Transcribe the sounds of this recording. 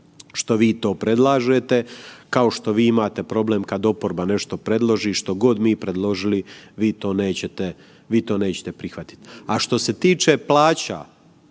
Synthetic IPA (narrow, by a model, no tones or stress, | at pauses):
ʃt̪o̞ʋiːt̪o̞ːpɾe̞d̪lˠaːʒet̪e̞kao̞ʃt̪o̞ʋiːimaːt̪e̞pɾo̞ble̞ːmkad̪o̞po̞ɾbane̞ʃt̪o̞pɾe̞d̪lˠo̞ʒiʃt̪o̞ɡo̞d̪miːpɾe̞d̪lˠo̞ʒiliʋiːt̪o̞ːne̞ːt͡ɕet̪e | ʋiːt̪o̞ːne̞ːt͡ɕe̥t̪e̞pɾixʋat̪i̥t̪aʃt̪o̞se̞t̪iːt͡ʃe̞plaːt͡ɕa̰